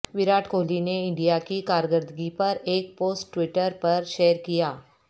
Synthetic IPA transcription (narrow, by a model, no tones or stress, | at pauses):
ʋɪɾaːʈʰkolineɪɳɖijakikaɾɡəɾd̪ɡipɐɾeːk̚poːsʈːʋiʈəɾpɐɾʃeːəɾkijaː